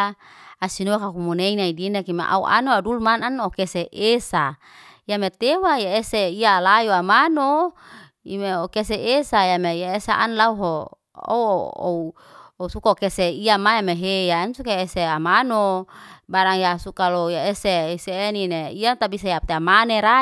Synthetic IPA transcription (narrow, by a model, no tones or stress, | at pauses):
asinokakumuneinaidinakimḛʔa̰uʔa̰noadulmananokeseʔesa | iamet̪ewajaeseialajoamano | ḭmeokeseʔesajamejaesaʔa̰nlauɦo | o̰o̰u | ousukakeseiamajameɦejansukaeseamanobaɾaŋjasukalojaeseiseːnineijat̪abisajat̪eamaneɾa